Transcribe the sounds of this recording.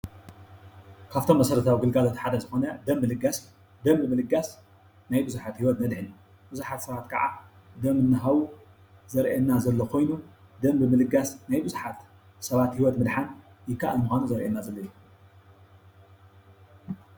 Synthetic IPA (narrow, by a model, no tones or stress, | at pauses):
kʰaβt̪ʰo̞mːɐsɐɾɐt̪ʰawiɡɨlɡalo̞t̪ħad̪ɐzɨxo̞nɐd̪ɐmbɨlɨɡas | d̪ɐmbɨmɨlɨɡas | najbɨzuħat̪hiwɔt̪nɐd̪ħɨn | b̥ɨzuħat̪sɐβat̪kʰɐ̰ʕa̰ | d̪ɐmɨnːɨɦawu | zɐɾʔenːazɐlːokʰo̞jnu | d̪ɐmbɨmɨlɨɡasnajbɨzuħat̪ | sɐβat̪hiwɔt̪mɨd̪ħan | jɪkʰːaʔɨlmuxʷanuzɐɾʔenːazɐlːɐju